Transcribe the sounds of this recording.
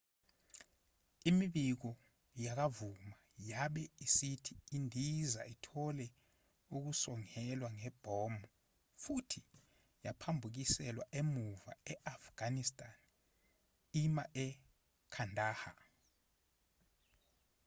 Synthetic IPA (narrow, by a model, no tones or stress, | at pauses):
imiɓik̬ɔ | jak̬avuma | jaɓɛisitʰiːndʱiza̰itʰɔlɛ | uk̬usɔŋɛlwaŋɛb̥ʱɔmu | futʰi | japʰambʱuk̬isɛlwaʔemuva̰ɛʔafɡ̥anistʼan | imaʔɛ | kʰandʱaːha